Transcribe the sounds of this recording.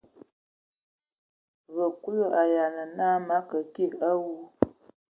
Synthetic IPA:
βə˨ku˦jə˦a˨ja˨nə˨naː˦ma˦kə˨ki˦˨ka˦wu˦

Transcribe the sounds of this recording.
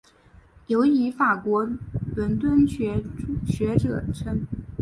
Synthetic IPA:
jo˧˥ʊi˧˥fa˨˩kwɔ˧˥pə˧˥nt̪wə˥nɕɥɛ˧˥ɕɥɛ˧˥ʈ͡ʂɤ̰˨˩ʈ͡ʂʰə˥n

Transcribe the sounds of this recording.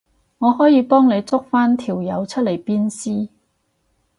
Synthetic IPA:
ŋɔː˨˧hɔː˨˥jiː˨˧pɔː˥ŋne˨˧jt͡sʊ˥k̚faː˥nt̪ʰiː˨˩wjɐ˨˧wt͡ʃʰɵ˥t̚le˨˩jpiː˥nsiː˥

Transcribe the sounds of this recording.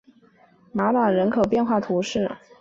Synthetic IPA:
ma˧˥na˨˩ɻə˧˥nkʰo˨˩ʊpjɛ˥˧nxwa˥˩t̪ʰu˧˥ʂɻ̩˥˩

